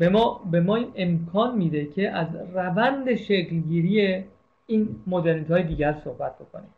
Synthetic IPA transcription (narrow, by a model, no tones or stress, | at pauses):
bemɒbe̞mɒːiːnʔemkʰɒːnmiːd̪e̞cʰe̞ʔæzrævænd̪e̞ʃeɡlɟiːɾije | iːnmod̪eɾnit̪hɒːjed̪iːɟæɾsohbæt̪̚b̥o̞kʰoni